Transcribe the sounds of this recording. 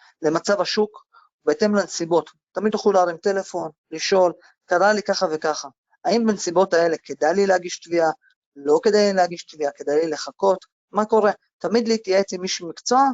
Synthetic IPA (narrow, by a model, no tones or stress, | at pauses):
le̞mat͡savaʃuk | ubeet̪e̞mlansibo̞t̪ːamid̪laχluleaʁimte̞le̞fo̞nliʃo̞l | kaʁalikaχave̞kaχa | aimbensibo̞tae̞le̞ke̞d̪ajlilehaɡiʃt̪via | lo̞ke̞d̪ajileaɡiʃt̪viake̞d̪ajlile̞χako̞t̪ | mako̞ʁe̞ | t̪amid̪liːtjaet͡simiʃumikt͡so̞a